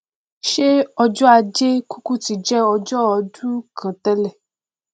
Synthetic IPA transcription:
ʃe˦ɔ˧d͡ʒɔ˦a˧d͡ʒe˦ku˦ku˦ti˧˨d͡ʒɛ˦ɔ˧d͡ʒɔ˦ɔ˧d͡ʒu˦kʰã˨tɛ˦lɛ˦˨

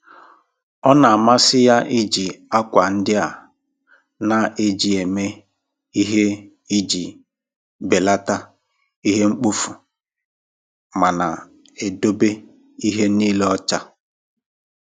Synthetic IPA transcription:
ɔ˦na˨a˨ma˦sɪ˦ja˦ʔɪ˦d͡ʒi˨a˦kʷa˨n̩˦dɪ˦a˨ | na˨e˦d͡ʒi˨e˨me˦ | i˦ɦe˦ | i˦d͡ʒi˨ | be˨la˦ta˦ | i˦ɦe˦ŋ͡m̩˦k͡pu˦fu˨ | ma˨na˨ | e˨do˦be˦ | i˦ɦe˦niː˦le˦ɔ˦t͡ʃa˦

